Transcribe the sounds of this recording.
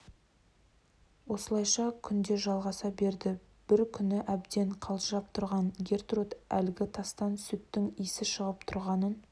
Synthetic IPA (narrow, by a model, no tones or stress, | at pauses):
wo̞səlˠɑjʃɑkʲʰʏnd̪e̞ʒɑlˠʁɑsɑbe̞ɾd̪ɪ | b̥ɪɾkʲʰʏnɪʔæbd̪e̞ɴqʰɑlˠʒʒɑp̚t̪ʰʊɾʁɑŋɡʲe̞rt̪rot̪ælɡʲɪt̪ʰɑst̪ɑnsut̪t̪ːɪŋijsɪʃəʁəpt̪ʰʊɾʁɑnən